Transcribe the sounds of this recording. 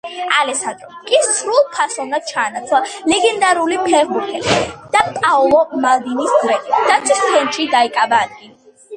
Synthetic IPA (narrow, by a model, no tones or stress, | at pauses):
alɛsand̪ɾɔmkʼist̪sʰɾulˠpʰasɔnd̪ad̪̥̚t͡ʃʰaːnat̪sʰlalɛɡɛnd̪aɾulipʰɛʁbuɾt̪ʰɛlid̪̥apʼaɔlˠɔmald̪inisd̪wɛid̪̥at̪sʰist̪ʰɛnt̪ʃid̪aikʼabaːd̪̚ɡili